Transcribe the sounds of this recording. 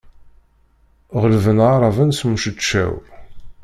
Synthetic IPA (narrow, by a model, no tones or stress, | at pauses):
ʁəlvənʁɑɾˤɑvænsmuʃət͡ʃːæ̰w